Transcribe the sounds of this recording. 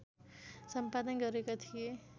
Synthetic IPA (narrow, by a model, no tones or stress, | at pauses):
sʌmpad̪ʌnɡʌɾekot̪ʰije